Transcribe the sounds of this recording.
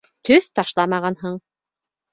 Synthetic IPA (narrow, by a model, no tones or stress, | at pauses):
t̪ʰɵθt̪ɑʃlˠɑmɑʁɑnhɤɴ